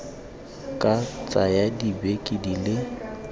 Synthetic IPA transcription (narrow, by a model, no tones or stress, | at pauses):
kʼat͡sʼajadibekʼidilɪ